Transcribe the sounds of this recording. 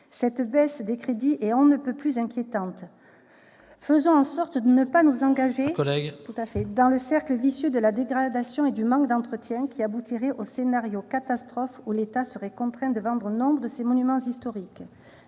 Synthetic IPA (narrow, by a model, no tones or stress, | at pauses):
sɛt̪bɛsd̪ekχed̪iʔeɔ̃nəpøplyzɛ̃kʲjet̪ɑ̃t̪ | fəzɔ̃ɑ̃sɔʁt̪d̪ənəpanuzɑ̃ɡaʒekɔlɛɡt̪ut̪afɛd̪ɑ̃ləsɛʁkləvisjød̪əlad̪eɡʁad̪asjɔ̃ed̪ymɑ̃kd̪ɑ̃t̪χət̪jɛ̃kʲiabut̪iʁɛʔosenaʁjokat̪ast̪χɔfulet̪asəʁɛkɔ̃t̪χɛ̃d̪əvɑ̃d̪ʁənɔ̃bʁəd̪əsemɔnymɑ̃zist̪ɔʁik